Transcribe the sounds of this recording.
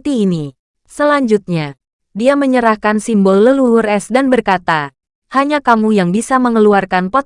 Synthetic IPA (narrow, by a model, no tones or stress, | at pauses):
t̪iːni | səlaɲd͡ʒut̪̚ɲa | diaməɲəɾahkansimbɔlːəluurɛsdanbərkat̪a | haɲakamujaŋbisaməŋəluarkanpɔt̪